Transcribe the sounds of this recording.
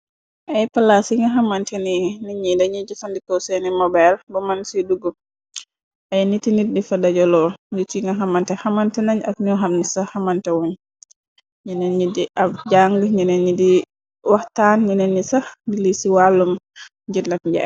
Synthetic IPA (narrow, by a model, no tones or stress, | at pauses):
ʔajpalasiŋɡaɦamantɛniniɲidaɲid͡ʒifandikɔsɛnimɔbɛlbɔmansiduɡɔ | ʔajnitiniɾdifadad͡ʒɔlɔditiŋɡaɦamantɛhamantɛnaɲakɲɔɦamnisahamantɛwun | ɲinɛnɲidiʔabd͡ʒaŋɡəɲinɛnidi | wahtanɲinɛnːisadilisiwalːum | d͡ʒilakɲd͡ʒa̰